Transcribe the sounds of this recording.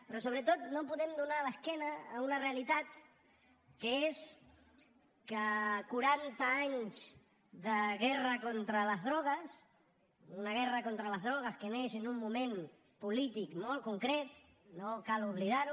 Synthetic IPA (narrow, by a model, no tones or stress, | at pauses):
pɾɔsoβ̞ɾət̪ot̪nopuðemd̪unaləskɛnaːunarealit̪at̪ | kəes | kəkuɾant̪aaɲz | ðəɣɛrakont̪ɾaləzðɾɔɣ̞əs | unaɣɛrakont̪ɾaləzðɾɔɣ̞əskeneʃenumːumẽn | pulit̪ikmolˠkuŋkɾɛt̪ | nokaluβliðaɾu